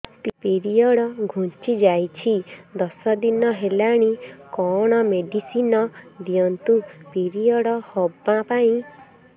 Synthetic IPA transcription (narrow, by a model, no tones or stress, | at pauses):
t̪ipiɾijɔɽɔɡʱũnt͡ʃid͡ʒajt͡ʃʰid̪ɔsɔd̪inɔɦelaɽ̃ikɔɽ̃ɔmeɖisinɔd̪iɔnt̪upiɾijɔɽɔhobapaĩ